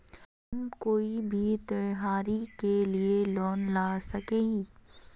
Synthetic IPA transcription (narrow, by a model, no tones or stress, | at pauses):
ɦɐmkoːibʱit̪ɐjɦaːɾikelielɔːnlaːsɐkeːɡi